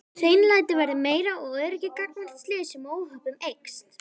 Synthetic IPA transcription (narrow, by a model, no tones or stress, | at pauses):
t̪ʰeːjnlajt̪ɪvɛɾðɪmeːjɾaʔɔɣœːðʏɾɛhcɪkak̚nvar̥t̪slɪːɣɪsɛmoːwhœpʏmejkst̪